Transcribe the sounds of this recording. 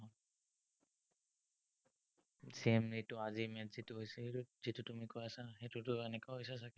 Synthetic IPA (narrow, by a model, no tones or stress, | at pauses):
ɦɔn | semnitʊazimɛtzituɦojsɛetuzitutumikojasaxetutʊɛnɛkaɦojsasakɛ